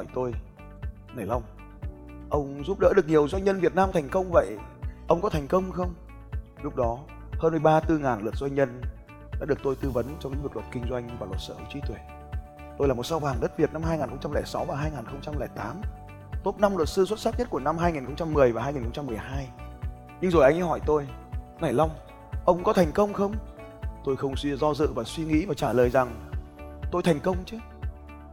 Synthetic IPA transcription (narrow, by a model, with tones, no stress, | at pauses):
ɔ˧˩jt̪o˧j | nə˨˩jlʔə˧wŋ͡m | ʔə˧wŋ͡mzu˦˥p̚ɗə̰ː˧˥ɗɨ˨˩ək̚ɲi˨˩əwzwa˧jŋ̟ɲə˧nvi˨˩ət̚naː˧mt̪ʰŋ̟kə˧wŋ͡mvə̰˧˨jʔə˧wŋ͡mkɔ˨˦t̪ʰɛ˨˩ŋ̟kə˧wŋ͡mxə˧wŋ͡m | lʊ˦˥k͡p̚ɗɔ˨˦ | həː˧nmɨ˨˩əjɓaː˧t̪ɨ˧ŋaː˨˩nlə˨˩t̚zwa˧jŋ̟ɲə˧n | ɗaː˧˥ɨ˨˩ək̚t̪o˧jt̪ɨ˧və˨˦nt͡ɕɔ˧wŋ͡mɲɨ̰˧˥vk̚lt̚kï˧ŋ̟zwa˧jŋ̟vaː˨˩lwə˨˩t̚səː˧˩kt͡ɕi˨˦t̪we˧˩ | t̪o˧jlaː˨˩mo˨˩t̚sa˧wvaː˨˩ŋɗə˦˥t̚vi˨˩ət̚na˧mhaː˧jŋaː˨˩nxə˧ŋ͡mt͡ɕa˧mlɛ̰ː˧˩jsa˨˦wvaː˨˩ɦaː˧jŋaː˨˩nxə˧wŋ͡mt͡ɕa˧mlɛ̰ː˧˩jt̪aː˨˦m | t̪o˦˥t̚na˧mlwə˨˩t̚sɨ˧swə˦˥t̚sa˦˥ɲə˦˥t̚ku˧˩əna˧mɦaː˧jŋi˨˩nxə˧wŋ͡mt͡ɕa˧mːɨ˨˩əjvaː˨˩ɦaː˧jŋi˨˩nxə˧ŋ͡mt͡ɕa˧mːɨ˨˩əjɦaː˧j | ɲɨ˧ŋzo˨˩jʔa˧jŋʔhɔ˧˩jt̪o˧j | na˨˩jla˧wŋ͡m | ʔə˧wŋ͡mkɔ˨˦t̪ʰɛ˨˩ŋ̟kə˧wŋ͡mxə˧wŋ͡m | t̪o˧jxə˧wŋ͡msi˧zɔ˧zɨ̰˧˨vaː˨˩swi˧ŋḭ˧˥vaː˨˩t͡ɕaː˧˩ləː˨˩jza˨˩ŋ | t̪o˧jt̪ʰɛ˨˩jŋ̟kə˧wŋ͡mt͡ɕɨ˨˦